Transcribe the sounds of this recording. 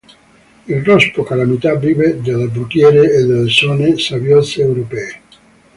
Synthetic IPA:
ilrɔspokalamit̪avived̪elːebɾukjɛːɾeːd̪elːesɔːnesavjɔt̪seːwɾopɛːe

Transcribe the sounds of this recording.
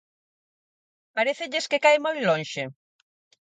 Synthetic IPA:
paɾeθeʎɪskekajmojlõnʃe

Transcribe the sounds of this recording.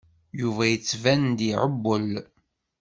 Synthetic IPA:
juvæjət͡sːvænd̪iʕəbːəl

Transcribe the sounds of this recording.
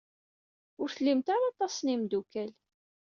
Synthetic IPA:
ʊɾθəlːimt̪aɾɑt̪ˤɑsˤnimd̪ukæl

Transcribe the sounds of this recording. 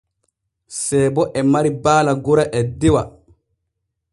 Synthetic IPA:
sɛːbɔʔɛmaɾibaːlaɡɔɾaʔɛdɛwa

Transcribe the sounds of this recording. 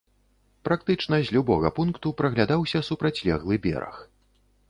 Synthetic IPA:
pɾak̚t̪ɨt͡ʂnɐzʲlʲubɔɣɐpunkt̪upɾɐɣlʲad̪awsʲɐsupɾɐt͡sʲlʲɛɣlˠɨbʲɛ̰ɾɐ̰x

